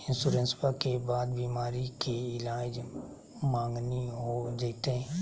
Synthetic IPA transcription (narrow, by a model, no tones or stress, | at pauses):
ɪ̃nsuɾə̃nspakebaːd̪biːmaːɾikeɪlaːd͡ʒ | mãːŋɡniɦod͡ʒeːt̪eɦɛ̃